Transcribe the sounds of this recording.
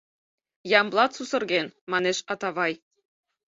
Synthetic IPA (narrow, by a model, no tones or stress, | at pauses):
jɑmblˠɑt̪susɤ̆rɣenmɑneʃɑt̪ɑβɑj